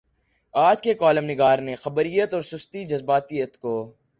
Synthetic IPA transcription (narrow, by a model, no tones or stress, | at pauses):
aːd͡ʒkekɔːləmnɪɡaːɾnexɐbəɾijət̪ɔːɾsʊst̪id͡ʒɐzbaːt̪ijət̪koː